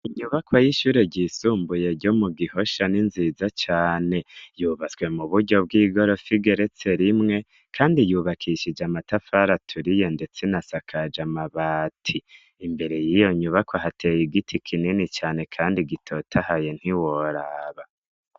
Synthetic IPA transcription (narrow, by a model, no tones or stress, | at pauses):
iɲuβakwajiʃuːɾe̞ɟisuːmbuje̞ɾɟo̞muɡiho̞ʃaninzizat͡ʃaːne̞juβat͡swe̞muβuɾɟo̞b̚ɡiːɡo̞ɾo̞fiɡe̞ɾe̞t͡se̞ɾimŋe̞ | kʰaːndijuːβakʰiʃid͡ʒamatafaɾatʰuɾije̞nde̞t͡senasakʰad͡ʒamaβaːtʰiː | mbe̞ɾe̞jijo̞ɲuβakwaɦatʰejiɡitʰikʰininit͡ʃaːne̞kʰaːndiɡitʰo̞tʰahajen̥hiwo̞ɾaːβa